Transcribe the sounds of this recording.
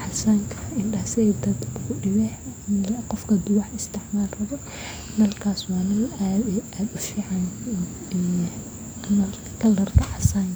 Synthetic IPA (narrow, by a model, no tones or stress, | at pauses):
ħɑsaŋkʰɐ̥ɪndɐːsɛd̪ɐd̪ʊkʊɖɪβɛ | qɔfkʰɐd̪ʊwɑħɪst̪ʰɪʕmaːlrɐðɔ | nɐlkʰaːswɑːnɐlaaːd̪ʊfiːʕɑn | nɐ | kʰɐlɐrt̪ʰɐħɑsaŋkʰ